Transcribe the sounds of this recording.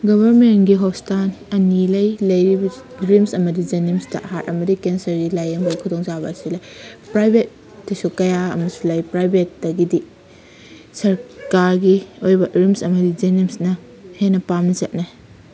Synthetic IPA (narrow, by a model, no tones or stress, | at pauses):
ɡɔbɐɾmenɡiɦostanɐnilɐjlɐjɾibɐ | ɡɾimsɐmɐdid͡ʒenimstɐ̰hatɐ̰mɐdikensɐɾɡilajɐmbɐjkʰudoŋzabɐ̰ːsilɐjpɾajbʱet̚ː | ɐsukɐjaɐmɐsulɐjpɾajbʱetːɐɡidi | sɐɾkaɾɡiojbɐɡɾimsɐmɐdid͡ʒenimsnɐ | henːɐpamnɐzɐt̚nɐ